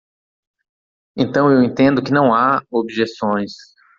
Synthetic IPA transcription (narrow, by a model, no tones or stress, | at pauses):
ẽnt̪ɐ̃w̃ewẽnt̪ẽnd̪ʊkɪnɐ̃w̃aobʒesõj̃s